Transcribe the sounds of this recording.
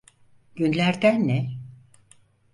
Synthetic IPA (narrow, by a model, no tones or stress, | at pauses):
ɟynlʲæɾd̪ænːɛ